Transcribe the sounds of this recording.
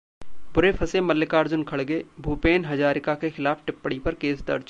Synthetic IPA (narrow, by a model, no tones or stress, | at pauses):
bʊɾepʰɐsemɐlːɪkaːɾd͡ʒʊnkʰɐɽɡeːbʱuːpeːnɦɐd͡ʒaːɾɪkakexɪlaːfʈɪpːəɽipɐɾkeːsd̪ɐ̰ɾd͡ʒ